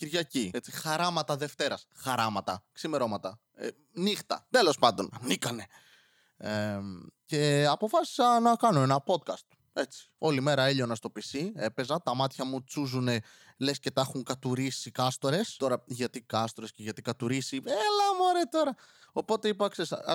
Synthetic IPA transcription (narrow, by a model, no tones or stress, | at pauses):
ciɾʝɐciet͡sixɐɾɐmɐt̪ɐðe̞ft̪e̞ɾɐsxɐɾɐmɐt̪ɐksimeɾo̞mɐt̪ɐ | ḛ | nixt̪ɐ̰t̪e̞lo̞spɐnd̪o̞nɐnikɐne̞ | ece̞ɐpo̞fɐsi̥sɐnɐkɐno̞e̞nɐpo̞t̪̚kɐst̪ | e̞t͡si̥o̞lime̞ɾɐeʎonɐst̪o̞pisie̞pe̞zɐt̪ɐmɐt̪çɐmut͡suzune̞ | lesce̞t̪ɐxuŋkɐt̪uɾisikɐst̪o̞ɾe̞st̪o̞ɾɐʝɐt̪ikɐst̪oɾesce̞ʝɐt̪ikɐt̪uɾisielɐmuɐɾet̪o̞ɾɐ | o̞po̞t̪e̞ipɐkses